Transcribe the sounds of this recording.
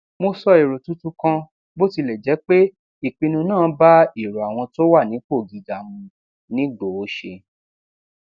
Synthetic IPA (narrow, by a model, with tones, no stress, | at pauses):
mo˧sɔ˧e˨ɾo˨tũ˦tũ˦kã˧ | bo˦ti˧lɛ˨d͡ʒɛ˨˦k͡pe˦ | i˦˨k͡pĩ˧nũ˧nãː˦˨˦ba˦i˦˨ɾo˨a˨w̃ɔ̃˧to˦wa˦˨nĩ˨˦k͡po˦˨ɡi˨ɡa˨mũ˧ | nĩ˨˦ɡo˨o˨˦ʃe˧